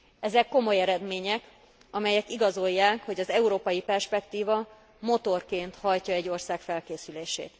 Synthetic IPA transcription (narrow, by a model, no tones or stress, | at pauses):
ɛzɛkːo̞mo̞jɛɾɛd̪meːɲɛk | ɒmɛjɛkiɡɒzo̞jːaːkho̞ɟɒzɛuɾoːpɒjipɛrʃpɛkt̪iːvɒ | mo̞t̪o̞rkeːnt̪hɒjcɒɛɟːo̞rsaːkfɛlkeːsyleːʃḛːt̪